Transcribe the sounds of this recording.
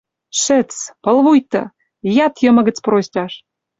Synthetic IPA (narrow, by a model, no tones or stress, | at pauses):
ʃɘ̆t͡spəlβujt̪ɤ̰̆ | jɑt̪jə̆mɤ̆ɣə̆t͡sprosʲtʲɑʃ